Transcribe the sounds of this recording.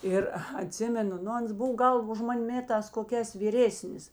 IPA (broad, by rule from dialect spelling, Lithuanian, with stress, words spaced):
ˈɪr ɐˈtʲsʲɪmʲɛnʊ ˈnʊ ˈɐns ˈbʊw ˈɡɐlˠ ʊʃ ˈmɐnʲ ˈmʲeːtɑːs koːˈkʲɛːs ʋʲiːˈrʲeːsʲnʲɪs